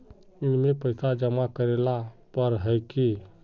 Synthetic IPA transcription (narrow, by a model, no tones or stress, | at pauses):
ɪnmẽpəɪsad͡ʒəmakəɾelapəɾɦəjki